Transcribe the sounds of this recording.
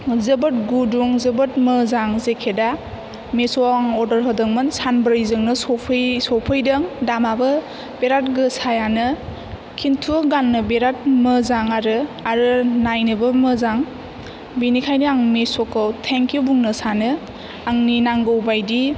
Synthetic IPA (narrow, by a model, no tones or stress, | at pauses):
zɯbɯt̚ɡuduŋzɯbɯt̚mɯzaŋzekʰeda | mesɔaŋɔdəɾɦɯdɯŋmɯnsanbɯɾjzɯŋnɯsɔpʰɯjsɔpʰɯjdɐŋdamabɯ | beɾat̚ɡɯsajanɯ | kʰintʰuɡanːɯbeɾat̚mɯzaŋaɾɯaɾɯnajnɯbɯmɯzaŋ | binikʰajniaŋmesɔkɯwtʰeŋkʰibuŋnɯsanɯ | aŋninaŋɡɯwbajdi